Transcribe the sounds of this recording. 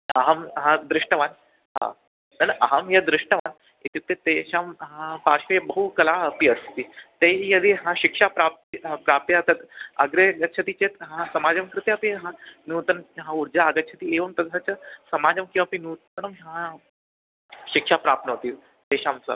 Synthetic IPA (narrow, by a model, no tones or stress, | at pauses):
ɐɦəmɦãd̪ɾiʂʈəʋãn | ɦã̰ | nənʔɐɦəmɦjad̪ɾiʂʈəʋan | it̪ik̚t̪et̪eɕamɦãpaɕʋebəɦukəlaəpiəst̪iːt̪eijəd̪iɦãɕikʂapɾap̚t̪pɾap̚t̪eat̪at̪əɡɾeɡət͡ɕʰət̪it͡ɕet̪ɦãsɐmad͡ʑəmkɾɨt̪japiɦãnuːt̪ənɦãuɾd͡ʑaːɡət͡ɕʰət̪ieʋəmt̪ɐssat͡ɕasɐmad͡ʑəmkĩw̃ʋapinut̪nəmɦã | ɕikʂapɾap̪̚nəɦot̪iː | t̪eɕãmt͡sə̰